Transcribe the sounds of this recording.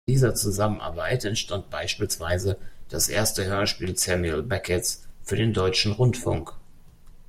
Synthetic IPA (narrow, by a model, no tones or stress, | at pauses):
iːzɐt͡suzamənʔa̰ɐbaɪtɛntʃtant̚b̥aɪʃpiːlsv̥aɪzəd̥asʔḛːɐstəhøːɐʃpiːlt͡sɛmilbɛkʰɛsfyːɐdeːndɔʏt͡ʃn̩ʁʊntfʊ̰ŋk